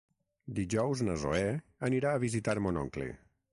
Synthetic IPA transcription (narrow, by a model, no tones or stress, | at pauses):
d̪iʒɔwznəzo̰ɛəniɾaəβizit̪aɾmonɔ̰ŋklḛ